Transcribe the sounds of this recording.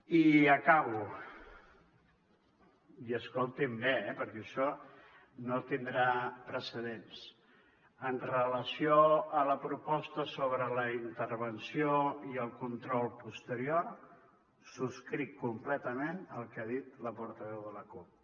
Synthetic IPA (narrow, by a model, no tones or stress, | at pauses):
iəkaβu | iəskolˠt̪imbeɛpəɾkɛəʃɔ | not̪ind̪ɾapɾəsəðens | ənrələsioələpɾupɔst̪əsoβ̞ɾələint̪əɾβənsioiəlˠkunt̪ɾɔlˠpust̪əɾior | suskɾikːumplɛt̪əmenəlˠkaðit̪ləpuɾt̪əβɛwðələkup̚